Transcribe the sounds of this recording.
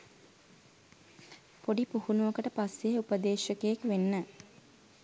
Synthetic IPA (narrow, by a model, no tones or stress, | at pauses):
poɖipuhunuʋəkəʈəpasːeupəd̪eːʃəkejekʋenːə